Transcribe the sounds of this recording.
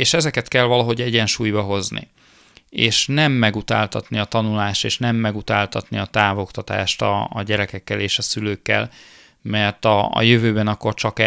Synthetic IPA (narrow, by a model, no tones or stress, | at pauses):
eːʃɛzɛkɛt̪kɛlvɒlɒɦo̞ɟɛɟɛnʃuːjbɒɦo̞znḭ | eːʃnɛmːɛɡut̪a̰ːlt̪ɒt̪niɒt̪ɒnulaːʃt̪eːʃnɛmːɛɡut̪aːlt̪ɒt̪niɒt̪aːvo̞kt̪ɒt̪a̰ːʃt̪ɒ̰ːɟɛɾɛkɛkːɛleːʃɒsyløːkːɛ̰l | mɛrt̪ɒ̰ːjøvøːbɛnɒkːo̞rt͡ʃɒkɛ